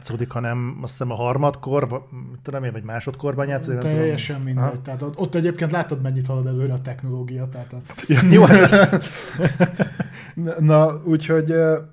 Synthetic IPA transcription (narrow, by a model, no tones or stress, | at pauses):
t̪soːd̪ikhɒnɛmɒsɛmɒɦɒrmɒt̪ko̞rvmit̪ːod̪omevɒɟmaːʃo̞t̪ko̞rbɒnjaːt̪sodikt̪ɛjːɛʃɛmmind̪ɛɟ̥̚t̪ɛɦat̪oo̞t̪ːɛɟeːpkeːnlaːt̪ɒd̪mɛɲːit̪hɒlɒd̪ɛløːɾɛːt̪ɛkno̞loːɡijɒt̪aːt̪ɒjɲia | nɒuːcho̞ɟø